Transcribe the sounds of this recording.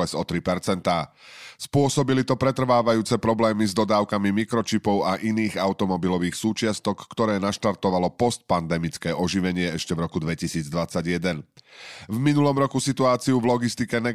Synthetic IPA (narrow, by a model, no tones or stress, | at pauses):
ɛzɔt̪ɾipɛɾt͡sɛnt̪aː | spʊɔsɔbilit̪ɔpɾɛt̪r̩ʋaːʋajuːt͡sɛpɾɔblɛːmizd̪ɔd̪aːʊkamimikɾɔt͡ʃipɔʊaʔiniːɣaʊt̪ɔmɔbilɔʋiːxsuːt͡ʃɪast̪ɔkːt̪ɔɾɛːnaʃt̪aɾt̪ɔʋalɔpɔst̪̚pand̪ɛmit͡skɛːʔɔʒiʋɛɲɪɛɛʃcɛvɾɔkud̪ʋɛcisiːd͡zd̪ʋat͡saɟjɛd̪ɛnvminulɔmɾɔkusit̪uaːt͡siuvlɔɡist̪ikɛnɛ